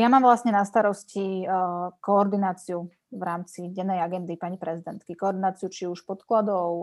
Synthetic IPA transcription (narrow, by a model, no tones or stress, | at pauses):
jamaːmvlasɲɛnast̪aɾɔsci | kɔːɾd̪inaːt͡siu | vɾaːmt͡siɟɛnːɛjaɡɛnd̪ipaɲipɾɛzid̪ɛnt̪kikɔɔɾd̪inaːt͡siut͡ʃiuʃpɔt̪klad̪ɔʊ